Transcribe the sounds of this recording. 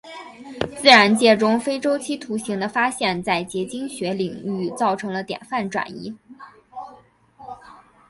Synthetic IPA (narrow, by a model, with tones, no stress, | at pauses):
t͡sɹ̩˥˩ɻa˧˥nt͡ɕjɛ˥˩ʈ͡ʂʊ˥ŋfe˥ɪʈ͡ʂo˥ʊt͡ɕʰi˥t̪ʰu˧˥ɕi˧˥ŋd̪ə˧fa˥ɕjɛ˥˧nt͡sa˥˩ɪt͡ɕjɛ˧˥t͡ɕi˥ŋɕɥɛ˧˥li˨˩ŋy˥˩˧t͡sɑ˥˩ʊʈ͡ʂʰɤ˧˥ŋlə˧t̪jɛ̰˨˩nfa˥˩nʈ͡ʂwa̰˨˩nḭ˧˥